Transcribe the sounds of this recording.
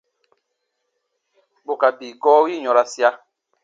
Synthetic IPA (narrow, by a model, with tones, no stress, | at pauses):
bo˨ka˨biː˨ɡɔː˦wi˦ɲɔ̃˨ɾa˦si˦a˦